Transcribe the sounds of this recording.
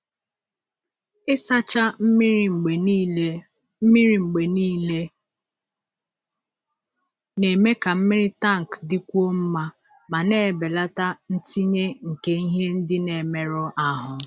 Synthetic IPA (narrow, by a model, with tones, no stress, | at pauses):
ɪ˦sa˦t͡ʃa˦˨e˨˦ | mi˦ɾi˨ŋ͡m̩˨ɡ͡be˨niː˦le˦ | ne˨me˦ka˨m̩˦mɪ˦ɾɪ˦ta˦˨ŋ̩˨kdɪ˦kʷu˦o˦m̩˦ma˦ | ma˨ne˦˨e˨be˨la˦ta˦n̩˦ti˦ɲe˦ŋ̩˨ke˦i˦ɦe˦n̩˦dɪ˦ne˨me˨ɾɔ˦ʔa˦ɦʊ˨